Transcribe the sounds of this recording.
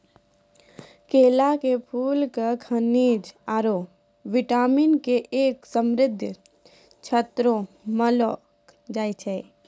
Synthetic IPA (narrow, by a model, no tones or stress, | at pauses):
keːlakepʰuːlkakʰəniːd͡ʒaːɾo | ʋɪʈaːmiːnkeʔeːksəmɾɪd̪ʱj | t͡ʃʰət̪ɾo | məlo | d͡ʒaːit͡ʃʰɛ